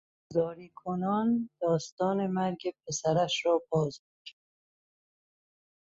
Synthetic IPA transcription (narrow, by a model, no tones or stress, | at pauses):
zɒːɾiːkʰonɒːnd̪̥ɒːst̪ɒːne̞mæɾɟep̚ʰesæɾæʃɾɒːbɒːzukʰæ